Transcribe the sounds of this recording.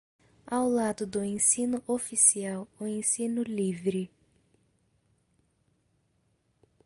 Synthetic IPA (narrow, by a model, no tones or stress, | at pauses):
awlad̪ʊd̪ʊẽsĩnʊʔofisiawʊẽsĩnʊlivɾɪ